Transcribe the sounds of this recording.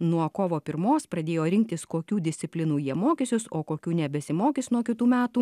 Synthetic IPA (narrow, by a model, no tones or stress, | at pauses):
nuɔkoːʋoːpʲɪɾmoːspɾɐd̪ʲeːjoːɾʲɪŋʲk̚t̪ʲɪskoːkʲuːd̪ʲɪsʲt̪ʲɪpʲlʲɪnuːjiɛmoːkʲɪsʲʊsoːkoːkʲuːnʲɛbʲɛsʲɪmoːkʲɪsnuɔkʲɪt̪uːmʲæːtt̪uː